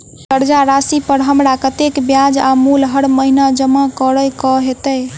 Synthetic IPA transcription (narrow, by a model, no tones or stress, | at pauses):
kəɾd͡ʒaɾasipəɾɦəmɽakət̪ekbjad͡ʒa̰mulɦəɽməɦinad͡ʒəmakəɾəjkɔɦet̪əj